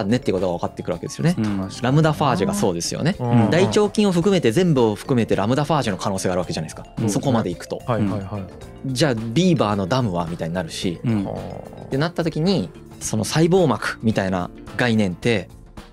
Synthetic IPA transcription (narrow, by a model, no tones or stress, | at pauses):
anːe̞t̪ːeiko̞t̪o̞ɡaβakat̪ːekɯɾɯ̟βa̰kee̞sɨjo̞̰ne̞ɾamɯ̟d̪aɸaːʑiɡaso̞ːd̪e̞sɨjo̰ne̞d̪ait͡ɕo̞ːkʲĩɰ̃o̞ɸɯ̟k̬ɯ̟me̞t̪e̞zẽ̞mbɯ̟oɸɯ̥kɯ̟me̞t̪e̞ɾamɯ̟d̪aɸaːʑino̞kʰano̞ːseːɡaːɾɯβake̞ʑanai̥sɨ̥kaso̞ko̞mad̪e̞ikɯ̟̥t̪o̞̰ | d͡ʑaːbʲiːbaːno̞d̪amɯ̟βamʲit̪aiɲ̟inaɾɯ̟ɕḭ | t̪e̞nat̪ːat̪o̞kʲiɲ̟i | so̞no̞saibo̞ːmakɯ̟̥mʲit̪aina̰ | ɡainẽ̞nt̪e̞